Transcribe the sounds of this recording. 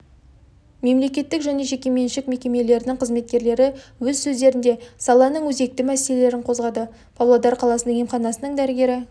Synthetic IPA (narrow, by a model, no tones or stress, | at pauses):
me̞mle̞kʲe̞t̪ːɪkʒæne̞ʒekʲe̞me̞nʃɪkme̞kʲe̞me̞le̞ɾɪnɪŋqʰəzme̞t̪̚kʲe̞ɾle̞ɾɪwɵzsɵzd̪e̞ɾɪnd̪e̞sɑlˠɑnəɴwɵze̞k̚t̪ɪmæse̞le̞le̞ɾɪɴqʰo̞zʁɑd̪ə | pʰolˠɑd̪ɑɾqʰɑlˠɑsənəŋemχɑnɑsənəɴd̪æɾɪɡʲe̞ɾɪ